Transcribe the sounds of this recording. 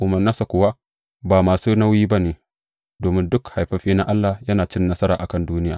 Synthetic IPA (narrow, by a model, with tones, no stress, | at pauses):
ʔʊ˨mɐ˨naː˦sa˨kʷʊ˨wa˦ | baː˨maː˨suː˦na˦wjiː˦ba˦neː˨ | doː˨mɪ˦ndʊ˦kha˨jɸɐ˦ɸiː˦na˦ʔa˦lːa˨jɐ˦naː˨t͡ʃɪ˦nːɐ˦sɐ˦ɾa̰ː˨ʔa˨kɐ˦nduː˦nɪ˦jaː˨